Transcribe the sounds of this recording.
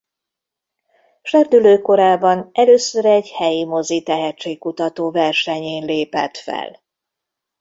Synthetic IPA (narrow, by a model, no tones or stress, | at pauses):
ʃɛrd̪yløːko̞ɾaːbɒnɛløːsøɾɛɟhɛjimo̞zit̪ɛɦɛt͡ʃːeːk̚kːut̪ɒt̪oːvɛrʃɛɲeːnleːpɛ̰t̪fɛ̰l